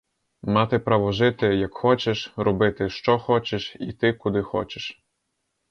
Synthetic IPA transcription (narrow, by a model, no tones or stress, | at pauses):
mɑt̪ɪpɾaʋɔʒɪt̪ɪjɐkxɔt͡ʃeʃrɔbɪt̪ɪʃt͡ʃɔxɔt͡ʃeʃḭt̪ɪkʊd̪ɪxɔ̰t͡ʃeʃ